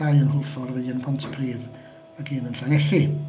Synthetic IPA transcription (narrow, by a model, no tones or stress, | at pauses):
aɨənhʊlˠfɔrvɨənpʰɔntʰpʰriːv | əɡiːnənɬanɛɬɪ